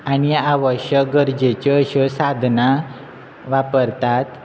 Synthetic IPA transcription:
aɽ̃ijaaʋəɕəkɡəɾd͡ʑet͡ɕɔɕɔsad̪ʱna | ʋapəɾt̪at̪

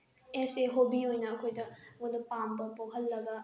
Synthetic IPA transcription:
eseɦobiojnɐːkʰojdɐmodɐpambɐpokʰɐlːɐɡɐ

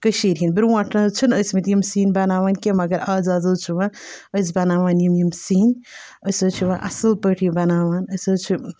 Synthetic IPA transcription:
kəʃiɾɦinbiɾwãːʈʰnat͡ʃʰunəjsmet̪jimsiːnbɐnaːʋaːnkemɐɡɐɾaːzaːzɐt͡ʃʰiʋãəjs̬bɐnaːʋaːnjimjimsiːn | əjsɐt͡ʃʰiʋãʔɐ̰sɨlpəʈʰibɐnaːʋaːnəjsɐt͡ʃʰi

